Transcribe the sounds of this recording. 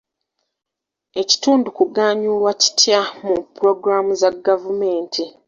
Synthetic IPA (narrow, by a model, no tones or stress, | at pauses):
e̞ci̥tuːndukuɡaːɲuːlwaci̥tʰjamupɾo̞ɡɾamuzaɡavume̞ːntʰi